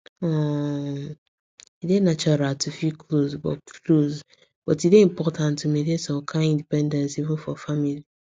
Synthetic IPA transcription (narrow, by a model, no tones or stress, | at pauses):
ɔ | idenat͡ʃɔɾaltʰufikʰlozbɔ̰loz | b̥ɔtideĩm̩pʰɔtʰãntːumedesɔ̃kʰãĩndipɛ̃ndɛ̃nsivũnfɔfamili